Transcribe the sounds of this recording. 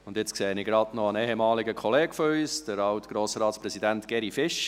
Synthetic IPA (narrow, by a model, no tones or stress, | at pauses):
ʊndɪt͡skseːniɡɾɑdnɔənɛːhɛmɑːliɡəkʰɔleːɡfɔyːsd̥əɾɑwtɡ̥ɾoːsɾɑːtspɾɛzidæntɡ̥ɛɾifɪʃ